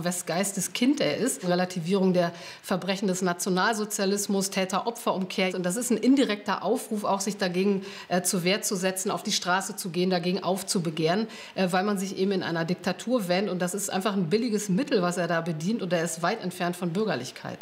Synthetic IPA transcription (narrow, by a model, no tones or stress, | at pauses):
vɛsɡ̥aɪstəskʰɪntʔeːɐʔɪstʁelatʰiviːʁ̞ʊŋdeːɐ | fɛɐbʁɛçn̩dɛsnat͡sjonaːlzot͡sjalɪsmʊstʰɛːtɐʔɔpfɐʔʊmkʰeːɐʊntd̥as̬ɪstn̩ʔɪndiʁɛk̚tɐʔaʊfʁuːfa̰ʊxz̥ɪçd̥aɡeːɡŋ̩ | ʔɛːt͡suveːɐtt͡suzɛt͡sn̩aʊfd̥iːʃtʁ̥aːsət͡suɡeːəndaɡeːɡŋ̩ʔaʊft͡subəɡeːʁən | ʔɛːvaɪlmanzɪçʔḛːbm̩ɪnʔa̰ɪnɐdɪk̚tʰatʰuːɐvɛːntʊntd̥asɪstʔa̰ɪnfaχn̩bɪlɪɡəsmɪtl̩vaseːɐdaːbədiːntʊnteːɐɪstv̥aɪtɛ̰ntfɛɐntfɔnbʏɐɡɐlɪçkʰa̰ɪt